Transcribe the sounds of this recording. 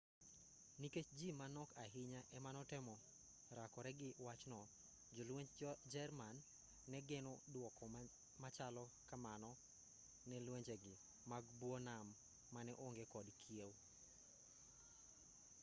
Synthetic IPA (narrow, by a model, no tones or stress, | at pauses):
niket͡ʃd͡ʒimanɔkaɦɪɲaʔɛmanɔtɛmɔ | ɾakɔɾɛɡɪwat͡ʃnɔ | d͡ʒɔlweɲd͡ʒd͡ʒɛrmanː | ɛɡɛnodwɔkɔ | mat͡ʃalɔkamanɔ | nɛlweɲd͡ʒeɡɪ | maɡbwɔnamː | anɛʔoŋɡɛkɔdkʰiew